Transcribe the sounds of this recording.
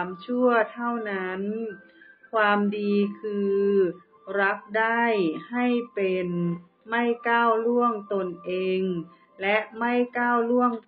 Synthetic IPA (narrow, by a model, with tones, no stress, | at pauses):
mt͡ɕʰu˥˩ɐt̪ʰa˥˩wna˦˥n | kʰwaː˧mdiː˧kʰɯː˧ | ɾa˦˥p̚da˥˩jha˥˩jpe˨n | ma˥˩jkaː˥˩wlu˥˩əŋt̪o˧nʔeː˧ŋ | lɛ˦˥ʔma˥˩jkaː˥˩wlu˥˩əŋ